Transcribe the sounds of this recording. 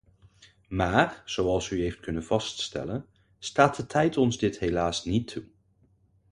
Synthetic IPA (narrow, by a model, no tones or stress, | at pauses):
maːrz̥owɑlˠsyɦejft̚kɵnənv̥ɑststɛ̰lən | staːt̚dətʰɛjtɔnzdɪtɦejlaːsnitʰu